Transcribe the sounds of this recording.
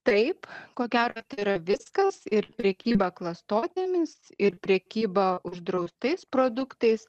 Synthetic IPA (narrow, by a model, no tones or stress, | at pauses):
t̪ɐɪpkoːɡʲæːɾoːt̪ɐɪiɾɐʋʲɪskɐsɪɾpʲɾʲɛkʲiːbɐklˠɐst̪oːt̪ʲemʲɪsɪɾpʲɾʲɛkʲiːbɐʔʊʒd̪ɾɐʊst̪ɐɪspɾoːd̪ʊkt̪ɐɪs